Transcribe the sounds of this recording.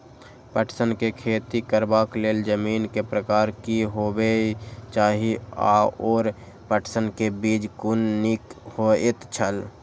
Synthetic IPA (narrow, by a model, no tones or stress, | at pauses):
pəʈʰsənkekʰeːt̪ikəɾbaːkleːld͡ʒəmiːnkepɾəkaːɾkiɦoːbet͡ʃaːɦia̰oːɾ | pəʈʰsənkebiːd͡ʒkʊnːikhoet̪t͡ʃʰəl